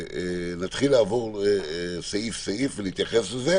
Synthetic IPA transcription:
nat̪χilːaːvoʁ | saifseifveliit̪jaχesleze

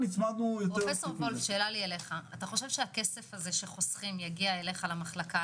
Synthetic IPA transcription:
nit͡smad̪nujotpʁoefesoʁvolfʃe̞ːlaliale̞χaːtaχo̞ʃe̞vʃeake̞se̞faze̞ʃeχo̞sχimjaɡiaele̞χalamaχlaka

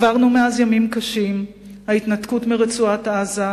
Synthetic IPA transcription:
vaʁnumeazjamimkaʃim | haitnatkutmiʁet͡suataza

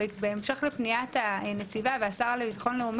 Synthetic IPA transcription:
beːmʃe̞χlepnijatanet͡sivaveasaʁalebitḁχo̞nleum

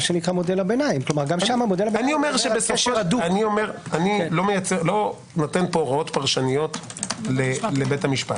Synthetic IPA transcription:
ʃenikʁamo̞delabenaimklomaʁɡamʃamamodelabeaniomeʁʃebesofoaduaniomeʁanilo̞mejat͡seʁlo̞ | notenpoʁao̞t̪paʁʃanijo̞tlelebetamiʃpa̰t

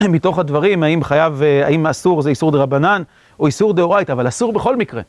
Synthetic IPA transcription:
mit̪o̞χhad̪vaʁimaimχajavea̰imasuʁzeisuʁd̪eʁabanan | oisuʁd̪eoʁajt̪avalasuʁbe̞χo̞lmikʁḛ

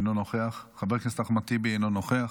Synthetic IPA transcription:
nonoχeaχχabeʁknest̪aχmat̪ibeenonoχeaχ

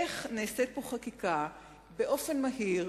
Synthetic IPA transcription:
eχneːset̪̚poχakika | beʔo̞fe̞nmaɦiʁ

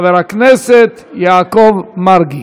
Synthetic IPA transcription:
veɾaknɛsɛt̪jaːkɔvmaɾɡi

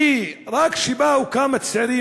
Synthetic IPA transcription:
irˤɑːkʃibaːwkaːmɐt̪sɐɾiː

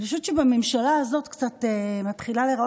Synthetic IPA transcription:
liʃut͡ʃebamemʃalaːzo̞tkt͡sat̪emat̪χilaleʁao

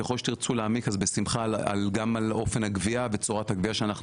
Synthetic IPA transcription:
jeχo̞lʃet̪iʁt͡suleamikazbesimχaa̰lɡamalo̞fenhaɡviavet͡soʁat̪haɡviaʃeanaχnu

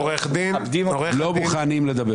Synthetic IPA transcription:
ʁeχd̪inabd̪imaʁello̞muχanimled̪ɐbe

